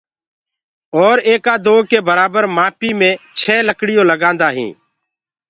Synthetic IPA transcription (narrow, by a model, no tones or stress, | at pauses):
ɔːɾeːkaːd̪oːkeːbəɾaːbəɾmaːpiːmẽːt͡ʃʰɛːləkɽɪjõːləɡãːnd̪aːɦḭ̃ː